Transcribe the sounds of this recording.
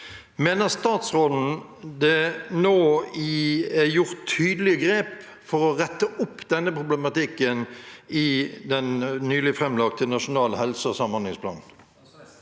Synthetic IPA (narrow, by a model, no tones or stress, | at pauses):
meːnəʁst̪ɑːt̪sʁɔln̩ | d̪ɛnoːɪɛjʊʁt̪ʰːyːd̪əlɪəɡɾeːp | fɔʁɔʁɛt̪ːəʔʊpːd̪ɛnːəpʰʁʊblɛmɑt̪ɪkːənɪd̪ɛnnyːlɪfʁɛmlɑk̚t̪ʰənɑʂʊnɑːlhɛlsəɔsɑmhɑnlɪŋspʰlɑ̰ːnn̩